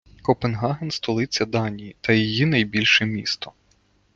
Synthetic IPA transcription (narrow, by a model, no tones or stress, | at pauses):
kɔpenɦɑɦenst̪ɔlˠɪt͡sʲːɐd̪ɑnʲijit̪ɐjijinɐjbʲilʲʃɛmʲḭst̪ɔ